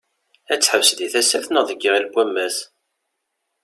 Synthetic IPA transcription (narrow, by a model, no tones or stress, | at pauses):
æt͡sːħəwsðiθæsæfθnəðˤəɡːəʁilɡʷæmːæs